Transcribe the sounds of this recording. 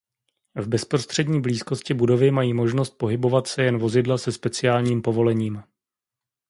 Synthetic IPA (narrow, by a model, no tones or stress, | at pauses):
vbɛspɾo̞st̪r̝̥ɛdɲiːbliːsko̞scɪbudo̞vɪmajiːmo̞ʒno̞st̪̚po̞ɦɪbo̞vat̪sɛjɛnvo̞zɪdlasɛspɛt͡sɪaːlɲiːmpo̞vo̞lɛɲiːm